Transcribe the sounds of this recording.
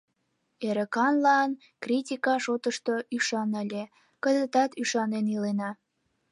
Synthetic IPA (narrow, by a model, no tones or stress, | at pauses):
eɾə̆kɑnlɑn | kritʲikɑʃot̪əʃt̪oyʃɑnəlʲe | kəzət̪ɑt̪yʃɑnenilenɑ